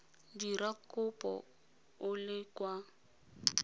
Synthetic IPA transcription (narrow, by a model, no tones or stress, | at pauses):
diɾakʼʊpʼɔ̰ | ʊlɪkwa